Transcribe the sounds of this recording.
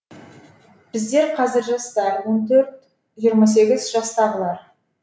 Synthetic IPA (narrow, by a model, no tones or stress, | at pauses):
b̥ɪzd̪e̞ɾqʰɑzɪɾʒɑst̪ɑɾwo̞nt̪ʰɵɾt̪ | ʒijəɾmɑs̬e̞ɡʲɪzʒɑst̪ɑʁəlˠɑɾ